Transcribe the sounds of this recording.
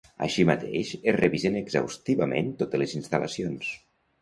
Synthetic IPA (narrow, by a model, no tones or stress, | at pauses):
ə̰ʃimət̪ḛʃereβizenəɡza̰wst̪iβəmḛnt̪ot̪əlezinst̪alə̰sions